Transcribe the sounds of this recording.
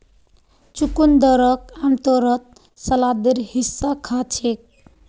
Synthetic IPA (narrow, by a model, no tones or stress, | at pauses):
t͡ʃukund̪ʌɾʌk̚amt̪oɾʌt̪̚ | səlad̪eɾhisːakʰat͡ʃʰek̚